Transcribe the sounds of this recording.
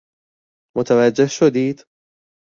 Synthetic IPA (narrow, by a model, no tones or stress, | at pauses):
mʊt̪awad͡ʒːɪhʃad̪iːd̪